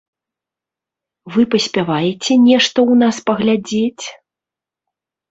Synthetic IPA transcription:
vɨpɐsʲpʲavajɛt͡sʲɛnʲɛʂt̪ɐwnaspɐɣlʲad͡zʲet͡sʲ

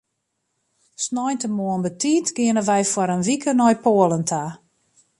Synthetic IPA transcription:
snɔjntəmoənbətiːtɡ̥ɪənəʋɛjfwɔɾənʋikʰənɔjpoələntʰa

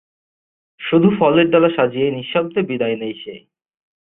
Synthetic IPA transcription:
ʃud̪ʱufɔleɾɖɔlaʃad͡ʑijejniʃːɔb̚d̪ebid̪ajnejʃe

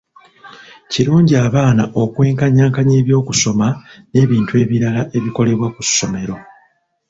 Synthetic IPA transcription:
ciɾuːɲɟiaːβaːnaʔo̞kwe̞ːŋkaɲaːŋkaɲe̞ːβjo̞ːkuso̞mane̞ːβiːntue̞ːβiɾalaʔe̞βiko̞le̞βwakusːo̞me̞ɾo̞

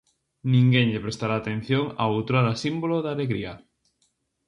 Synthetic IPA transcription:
nĩŋɡeŋʎepɾest̪aɾaːt̪en̟θjoŋa̰owt̪ɾaɾasimboloðaleɣɾia

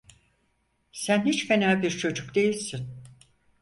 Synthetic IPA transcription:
sænhit͡ʃfenaːbiɾt͡ʃʰo̞d͡ʒukd̪e̞jilʲsin

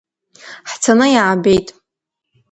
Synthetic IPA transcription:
ħt͡sʰanɨjaʕabejtʼ

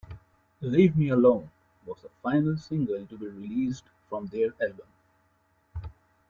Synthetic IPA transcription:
liːʋmiəlõːn | ʋɔːzəfãɪnəlsɪ̃ŋɡəl̃ʈubiɾɪliːsɖ̥ | fɾɔ̃md̪eɾɛlbə̃m

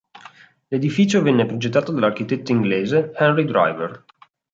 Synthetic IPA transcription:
led̪ifiːt͡ʃovɛnːepɾod͡ʒet̪ːaːt̪od̪alark̟it̪et̪ːoiŋɡleːzehɛnrid̪ɾa̰jvḛr

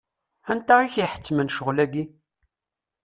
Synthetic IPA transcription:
ænt̪aʁiçiħə̥t͡sːmənʃəʁlæɡi

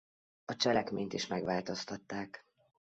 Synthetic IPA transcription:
ɒt͡ʃɛlɛkmeːɲt̪iʃmɛɡʋaːlt̪o̞st̪ɒt̪ːaːk

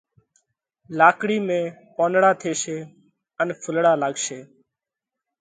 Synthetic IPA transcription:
laːkɽiːmẽːpõːnɽaːt̪ʰeːʃeː | ənpʰʊlɽaːlaːɡʃeː

